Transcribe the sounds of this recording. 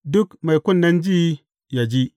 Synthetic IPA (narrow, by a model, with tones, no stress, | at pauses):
dʊ˦kma˨jku˦˨nːa˦nd͡ʒi˦ | ja˨d͡ʒi˦